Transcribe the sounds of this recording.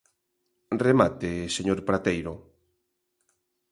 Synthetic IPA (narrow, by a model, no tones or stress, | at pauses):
remat̪eseɲoɾpɾat̪ejɾo